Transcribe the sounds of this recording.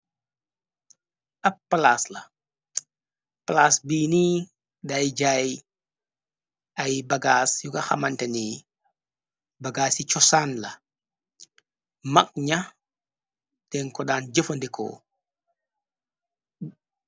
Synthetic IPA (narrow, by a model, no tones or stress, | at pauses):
ʔɐpːɐlaslɐ | palaːsbiːniː | dajɟaːj | ɐjbɐɡaːsjukɐxɐmɐntɐni | bɐɡaːsit͡ʃɔsaːnlɐ | mɐk̚ɲɐ | dɛnkɔɗaːnd͡ʒəfɐndikʰɔ̰ː